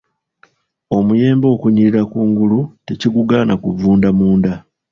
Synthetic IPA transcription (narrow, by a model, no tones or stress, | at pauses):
o̞muje̞ːmbo̞ːkuɲiɾiɾakuːŋɡuluteciɡuɡaːnʔakuvuːndamuːnda